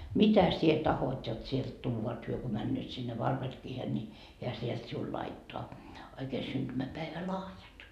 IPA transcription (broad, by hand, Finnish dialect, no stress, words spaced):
mitæ sie tɑhot jot sielt tuːʋɑ et hyø ko mænːøːt sinːe ʋɑrperkiːhen ni hiæ sielt siul lɑitːoɑ oikeː synd̥ymæpæeʋælɑhjɑt